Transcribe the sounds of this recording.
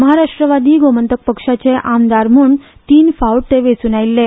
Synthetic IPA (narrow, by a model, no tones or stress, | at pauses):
məɦaɾaʂʈɾəʋad̪iːɡomənt̪ək̚pəkʂat͡seʔamd̪aɾm̤uːn | t̪iːnfauʈ̚t̪eʋet͡sunajilːe